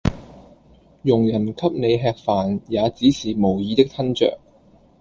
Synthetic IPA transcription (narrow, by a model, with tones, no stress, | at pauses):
jʊ˨˩ŋjɐ˨˩nkʰɐ˥p̚ne˨˧jɦɛː˧k̚faː˨˩njaː˨˧t͡siː˨˥siː˨˩mo˨˩wjiː˨˧t̪ɪ˥k̚t̪ʰɐ˥nt͡ʃœ̰ː˨k̚